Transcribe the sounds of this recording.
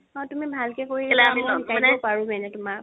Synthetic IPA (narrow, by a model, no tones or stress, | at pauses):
ɔ̃tʊmibʱalkɛkoɹiɛlamiɔkanɛɔpaɹumɛnɛtʊmak